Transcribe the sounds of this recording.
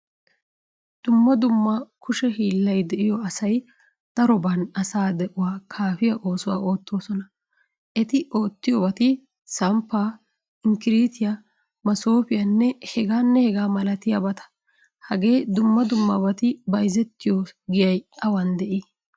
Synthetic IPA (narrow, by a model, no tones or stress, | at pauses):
d̪̥ʊmːɐd̪ʊmːɐkʰʊʃɛɦiːlːɐjd̪ɛʔɪjɔɐsɐj | d̪̥ɐɾɔbɐnɐsaːd̪ɛʔʊwaːkʰaːfɪjɐʔo̞ːsʊwa̰ːoːt̪ːo̞ːsɔnɐ | ʔɛt̪ɪʔo̞ːt̪ːɪjɔbɐt̪ɪ | sɐmpːaː | ɪŋkɪɾiːt̪ɪja | mɐsoːfɪjɐnːɛhɛɡaːnːɛhɛɡaːmɐlɐt̪ɪja̰bɐt̪ɐ̥ | hɐɡe̞ːd̪ʊmːɐd̪ʊmːabɐt̪ɪbɐjzɛt̪ːɪjoɡɪjɐjɐwɐnd̪ɛʔiː